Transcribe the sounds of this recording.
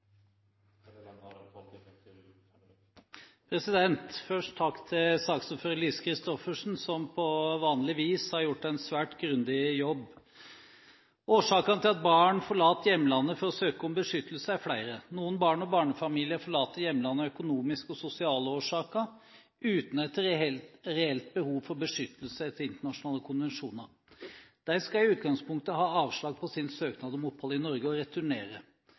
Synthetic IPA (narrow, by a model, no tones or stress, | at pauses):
pʰɾɛsɪd̪ɛnt̪fœʂʈtʰːɑkːt̪ʰɪlsɑːksɔmføːɾəɭiːskʰɾɪst̪ɔfəʂn̩sɔmpʰɔʋɑːnlɪʋiːshɑɾjʊʈːæɪnsʋæːʈɡɾʉnd̪ɪjɔbː | oːʂɑːkənət̪ʰɪlɑt̪̚bɑːɳfɔɭɑːt̪əjɛmːəlɑnːəfɔɾɔsøːkəɔmbəʂʏt̪ʰəl̩səæflæɪɾənuːənbɑːɳɔbɑːɳəfɑmiːlɪəfɔɭɑːt̪əɾjɛmːlɑnːəœkʊnuːmɪskɔsʊsɪɑːləoːʂɑːkəɾ | ʉːt̪nɛt̪ɾɾɛɛlt̪̚bəhuːʋfɔɾbəʂʏt̪əlsəɛt̪ːəɾɪnt̪əɳɑʂʊnɑːləkʰʊnʋɛnʂuːnəɾ | d̪̥æɾskɑɪʉːt̪ɡɑŋspʊŋk̚t̪əhɑːɑːʋʂɭɑːɡ̚pʰɔsɪnsøːknɑd̪ɔmɔphɔlɪnɔɾɡəɔɾɛt̪ʉɳeːɾə